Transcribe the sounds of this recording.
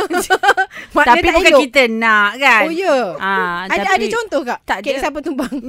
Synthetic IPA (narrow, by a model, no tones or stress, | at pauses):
mat̪apiabukakit̪ənaʔkaonjəaaadət͡ʃɔnt̪ɔhkaʔt̪aʔkɛssap̬ət̪umbaŋ